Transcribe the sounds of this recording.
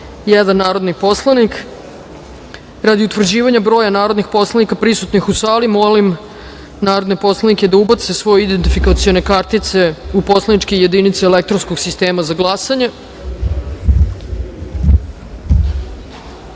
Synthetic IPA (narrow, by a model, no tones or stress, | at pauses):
jɛd̪anːaːɾo̞d̪nipo̞slˠanik | ɾad̪iut̪ʋr̩d͡ʑiːʋaɲabɾo̞ːjanaːɾo̞d̪nixpo̞slˠanikapɾisut̪nixusaːlimo̞lim | naːɾo̞d̪nepo̞slˠaniked̪aubat̪sesʋo̞jeid̪ent̪ifikat̪sio̞ne̞kaɾt̪it̪se̞upo̞slˠanit͡ʃkeje̞d̪init̪seelekt̪ɾonskoɡsist̪e̞ːmazaɡlˠasaɲe